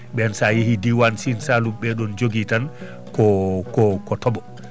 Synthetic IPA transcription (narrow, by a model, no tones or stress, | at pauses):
ɓɛnsajihidiwansinsalumɓɛɗɔnd͡ʒoɡitan | kɔkɔkɔtɔɓɔ